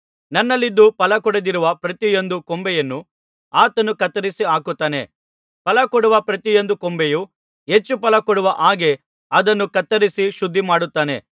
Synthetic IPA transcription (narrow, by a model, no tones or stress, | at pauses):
nɐnːɐlːid̪ːupɐlɐkɔɽed̪iɾuʋɐpɾɐt̪ijo̞nd̪ukɔmbɛjɐnːu | aːt̪ɐnːukɐt̪ːɐɾisiaːkut̪ːaːne̞̰ | pɐlɐkɔɽuʋɐpɾɐt̪ijond̪ukɔmbeju | ɦet͡ʃːupɐlɐkɔɽuʋɐʔaːɡe̞ | ɐd̪ɐnːukɐt̪ːɐɾisiʃud̪ʱːimaːɽut̪ːaːne̞̰